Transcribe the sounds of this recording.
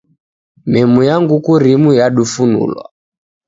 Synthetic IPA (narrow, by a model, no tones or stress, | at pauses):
mɛmujaŋɡukuɾimujaɗufunṵlwa̰